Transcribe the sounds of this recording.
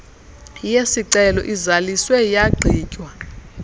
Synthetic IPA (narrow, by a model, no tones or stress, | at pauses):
jesiǀɛlɔ̰ʔizaliswɛjaɡ͡ǀʱiːcʼwa